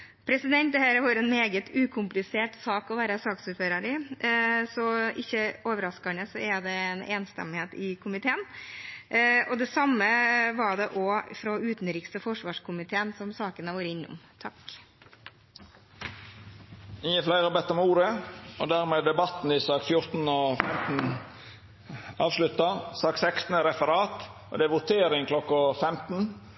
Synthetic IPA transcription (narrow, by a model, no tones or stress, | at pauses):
pʰɾɛsɪd̪ɛnt̪̚d̪ɛhæːɾəʋɑɾɛnmeːɡət̪ʰʉːkʰʊmplɪseːʈsɑːkɔʋæːɾəsɑːksʉːt̪føːɾəɾɪ | sɔʔɪçːəoːʋəɾɑskɑɳəsɔɛɖ̪ɛɛneːnst̪ɛ̰mːɪheːt̪ɪkʰʊmɪt̪ʰeːən | ʔɔd̪ɛsɑmːəʋɑɖɛʔɔfɾɔʉːt̪nɾɪkst̪əfɔʂʋɑːʂkʰʊmɪt̪ʰeːənsɔmsɑːkənəʋuːɾɪnːʊ̰mt̪ʰɑk | ɪŋːəflæɪʁəbɛt̪ːɔmuːɾəɔd̪æʁmeːd̪ɛbɑt̪n̩ɪsɑːkfjʊʁt̪n̩ɔfɛmt̪n̩ | ɑːʋʂlʉt̪ːɑsɑːksɛkst̪n̩əɾɛfəɾɑːt̪ | ɔ̰d̪ɛʋʊt̪ʰeːɾɪŋklɔkːɑfɛmt̪n̩